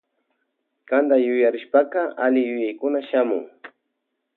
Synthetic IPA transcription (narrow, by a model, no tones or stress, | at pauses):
kand̪ajʊjaɾɪʃpakaalɪjʊjajkʊnaʃamʊ̰ŋ